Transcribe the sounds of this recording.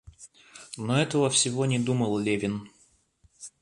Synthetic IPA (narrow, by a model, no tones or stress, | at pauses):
noɛt̪əvəfsʲɪvo̞nʲɪd̪uməlˠlʲevʲɪn